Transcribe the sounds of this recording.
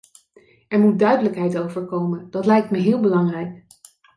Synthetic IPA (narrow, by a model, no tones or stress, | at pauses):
ɛɹmud̚dœɥdələkɦɛjtowvəɹkowmənd̥ɑtlɛjk̚tməɦɪːlˠbəlɑŋrɛjk